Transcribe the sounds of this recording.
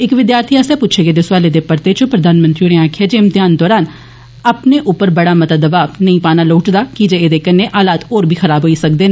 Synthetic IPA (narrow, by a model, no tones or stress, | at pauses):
ɪkʋɪd̪jaːɾt̪ʰiːaːsɛːpʊtːt͡ʃʰeːɡeːd̪esʊwaːleːd̪eːpəɾt̪eːt͡ʃʊpɾəd̪aːnmə̃nt̪ɾiːneaːkʰɪjaːd͡ʒemt̪ɪjaːnd̪ɔːɾaːn | əpneːʔʊpːəɾbəɽaːmət̪ad̪əbaːbnəĩːpaːnaːloːʈd̪aːkid͡ʒeeːd̪eːkəneːʔaːlaːt̪oːɾbʱiːxəɾaːbɦoːiːsəkd̪eːn